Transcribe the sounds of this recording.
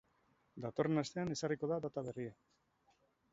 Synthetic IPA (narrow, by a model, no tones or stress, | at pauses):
d̪at̪o̞re̞nast̪e̞ane̞sariko̞ðad̪at̪aβe̞ria